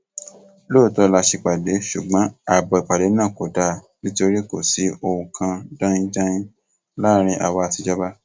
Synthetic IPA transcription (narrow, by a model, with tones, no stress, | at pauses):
loː˦˨tɔ˧la˧ʃi˧k͡pa˨de˨˦ʃṵ˨ɡ͡bã˨˦a˨bɔ˧i˨k͡pa˨de˨˦nã˦˨ko˨da˦˨ | bĩ˦to˧ɾi˦ko˦˨si˨˦o˧ũ˧kʰã˧dã˦ĩ˦d͡ʒã˦jĩ˦ | la˦˨ɾ̃ĩ˧ʔa˨wa˧a˧ti˧d͡ʒɔ˦ba˦